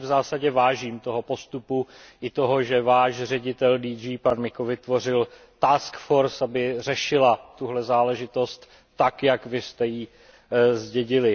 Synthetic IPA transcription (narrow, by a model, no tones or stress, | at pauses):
vzaːsaɟɛvaːʒiːmt̪o̞ɦo̞po̞st̪upuʔɪt̪o̞ɦo̞ʒɛvaːʃrɛɟɪt̪ɛldiːd͡ʒiːpanmɪkovɪt̪vo̞r̝ɪl | t̪aːskfo̞ɾsabɪr̝ɛʃɪlat̪uɦlɛzaːlɛʒɪt̪o̞st̪ː | akjakvɪst̪ɛjiː | zɟɛɟɪlɪ